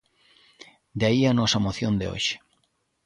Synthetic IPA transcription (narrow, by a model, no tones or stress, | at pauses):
d̪eaianosɐmoθjõnd̪ḛo̰ʃe̥